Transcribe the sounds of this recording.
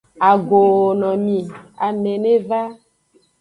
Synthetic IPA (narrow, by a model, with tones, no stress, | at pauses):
a˨ɡo˨o˨nɔ̃˨mĩ˨a˨mẽ˨nẽ˦va˦